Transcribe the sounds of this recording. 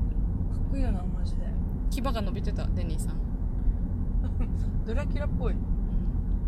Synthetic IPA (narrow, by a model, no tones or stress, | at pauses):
kḁkɯijonamaʑid̪e | kʲibaɡano̞bʲit̪e̞t̪a̰d̪e̞ɲʲiːsãŋ | d̪̥oɾeakʲiɾapːoiɯ̃